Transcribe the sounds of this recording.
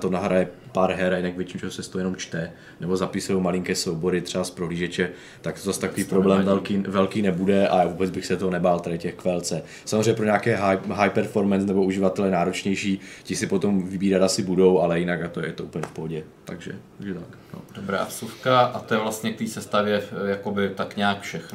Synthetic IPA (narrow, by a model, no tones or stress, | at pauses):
t̪onaɦɾajɛpaːɾɦɛɾajɪnaɡvjɛt͡ʃimt͡ʃɛɦosɛst̪owjɛnomt͡ʃt̪ɛ | nɛbo̞zapɪsujowmalɪŋkɛːsowbo̞ɾɪt̪r̥ɛbaspɾoɦliːʒɛt͡ʃɛ | t̪ak̚t̪ozast̪akkoviːpɾoblɛːmvɛlkiːvɛlkiːnɛbudɛʔa̰avubɛd͡zbɪxsɛt̪oɦonɛbaːlt̪adɪcɛxkvɛlt͡sɛ | samozriɛɲɛpɾo̞ɲaːkɛːɦajɦajpɛɾfo̞ɾmɛnsnɛbouʒɪvat̪ɛlɛnaːɾo̞t͡ʃɲɛjʃiːcɪsɪpo̞t̪o̞mvɪbiːɾat̪asɪbudo̞wʔalɛjɪnakat̪ojɛt̪oupəɲɛfpoɦoɟɛ | t̪aɡʒɛ̰t̪aɡʒɛt̪akno̰dobɾa̰ːsufkaʔat̪ojɛvlast̪ɲɛk̚t̪iːsɛst̪avjɛjakobɪt̪akɲaːkfʃɛxn